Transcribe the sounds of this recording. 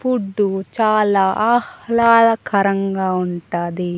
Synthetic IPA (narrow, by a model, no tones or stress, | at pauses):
puɖːut͡ʃaːlaːʔahlaːlaːkʰɐɾɐŋɡaːuɳʈaːd̪i